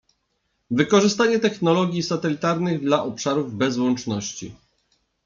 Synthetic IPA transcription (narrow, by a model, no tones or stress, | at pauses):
vɘkɔʐɘst̪aɲɛt̪ɛxnɔlɔɡʲjisat̪ɛlʲit̪aɾnɘɣd̪laʔɔpʂaɾuvbɛzwɔnt͡ʂnɔɕt͡ɕḭ